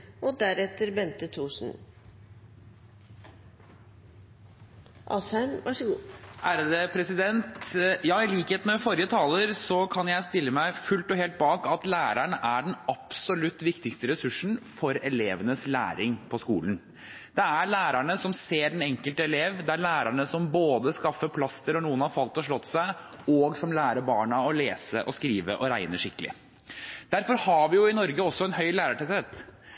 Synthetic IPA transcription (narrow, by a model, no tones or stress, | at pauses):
ɔd̪æɾɛt̪ːəɾbɛnt̪ət̪ʰuːʂn̩ | ʔɑ̰ːshæɪmʋɑʂəɡuːʔæːɾəd̪epʰɾɛsɪd̪ɛnt̪jɑːɪliːkəheːt̪nɔfɔɾɪət̪ʰɑːləɾsɔkʰɑnjæɪst̪ɪlːəmæɪfʉlt̪ɔɦeːlt̪̚bɑːkɑt̪læːɾæɳəʔæɖɛnɑpsɔlʉt̪ːʋɪkt̪ɪkst̪əɾɛsʉʂn̩fɔɾɛleːʋənəslæ̰ːɾɪŋpʰɔskuːlən | d̪̥ɛæɭæːɾæɳəsɔmseːɾɛnɛŋkəlt̪əɛleːʋd̪ɛæɾɭæːɾæɳəsɔmboːd̪əskɑfːəpʰlɑst̪əɾɔnuːənhɑɾfɑlt̪ɔʂɭɔt̪ːsæɪ | ɔɡsɔmlæːɾəbɑːɳɑɔleːsəʔɔskɾiːʋə̰ʔɔɾæɪnəʂɪkəlɪ̰ | d̪̥æɾfɔɾhɑʋɪjʊɪnɔɾɡəɔsːɔɛnhœʏlæːɾəʈɛseːt̪